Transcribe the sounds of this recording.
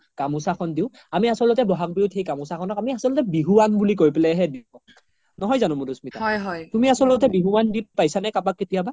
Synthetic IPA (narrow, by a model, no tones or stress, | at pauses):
kamusakʰɔndiʊ̃ | amiasɔlɔtɛbɔɦak̚biʊthejkamusakʰɔnɔkamiasɔlɔtɛbiɦuwanbulik̬ojpɛlɛɦɛdiɔ | nɔɦɔjzanʊmudusmitaɔjɦɔjtumiasɔlɔtɛbiɦuwandit̚pajsanɛkapakːetijaba